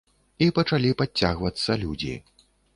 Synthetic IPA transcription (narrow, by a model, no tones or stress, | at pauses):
ipɐt͡ʂalʲipaaɣvɐt̪sːɐlʲud͡zʲḭ